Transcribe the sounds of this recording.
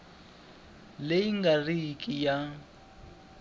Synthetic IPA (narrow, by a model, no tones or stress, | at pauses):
lejiŋɡarikʼija